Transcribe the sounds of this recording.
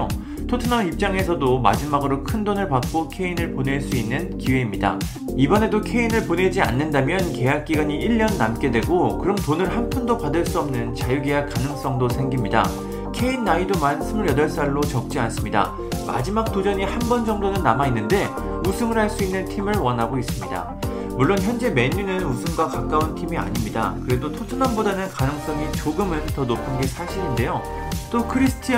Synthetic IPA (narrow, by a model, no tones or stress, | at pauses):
tʰotʰɯnaip̚t͡ɕ͈aŋe̞sʰʌdoma̰d͡ʑimaɡɯɾokʰɯndonɯɭpak͈okʰe̞inɯɭpone̞ɭs͈uinːɯnkiwe̞imɲida̰ | ibʌne̞dokʰe̞inɯɭpone̞d͡ʑia̰nːɯndamjʌnke̞jak̚k͈iɡaɲiiʎːʌnːamk͈e̞dwe̞ɡokɯɾʌmtonɯɭɦampʰundopadɯɭs͈uʌmnɯnt͡ɕajuɡeak͈anɯŋs͈ʌŋdosʰe̞ŋɡimɲida̰ | kʰe̞inːaidomans͈ɯmɯɾjʌdʌɭs͈aɭːot͡ɕʌk̚t͡ɕ͈ians͈ɯmɲida̰ | ma̰d͡ʑimak̚t͈od͡ʑʌɲihanbʌnd͡ʑʌŋdonɯnːamainːɯnde̞ | usʰɯŋɯɾɦhaɭs͈uinːɯntʰimɯɭwʌnɦaɡois͈ɯmɲida̰ | muɭːonçjʌnd͡ʑe̞me̞ɲːunɯnusʰɯŋɡwakak͈auntʰimia̰ɲimɲida̰kɯɾe̞dotʰot͡ɕʰʌnanbodanɯnkanɯŋs͈ʌŋit͡ɕoɡɯmɯntʌnopʰɯnɡe̞sʰaɕʰiɾinde̞jo | t͈okʰɯɾisʰɯ̥tʰi